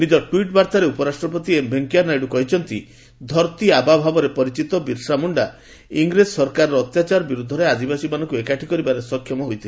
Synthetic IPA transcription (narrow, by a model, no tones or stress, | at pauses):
nid͡ʒɔʈuiʈbaɾt̪aɾeupɔɾasʈɾɔpɔt̪̬iembʱeŋkijaɾnajɖukɔɦit͡ʃʰɔnt̪i | d̪ʱɔɾt̪iababʱabɔɾepɔɾit͡ʃit̪ɔbiɾsɾamuɳɖa | iŋɡɾesɔɾkaɾɔɾɔːt̪jat͡ʃaɾɔbiɾud̪ʱːɔɾead̪ibasimanɔŋkuekaʈʰikɔɾibaɾesɔkʰːjɔmɔɦojt̪ʰil